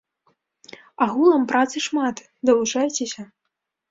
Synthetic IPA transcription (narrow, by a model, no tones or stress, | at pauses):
aɣulˠɐmpɾat̪sɨʂmat̪ | d̪ɐlˠut͡ʂajt͡sʲesʲɐ